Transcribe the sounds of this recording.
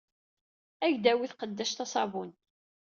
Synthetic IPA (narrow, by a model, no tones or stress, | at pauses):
æʝd̪æwiθqəd̪ːæʃt̪æsˤɑvun